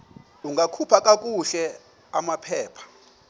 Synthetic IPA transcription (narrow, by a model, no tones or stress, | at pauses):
uŋɡʱakʰupʰakʼak̬ʼuɬɛ | amapʰɛːpʰḁ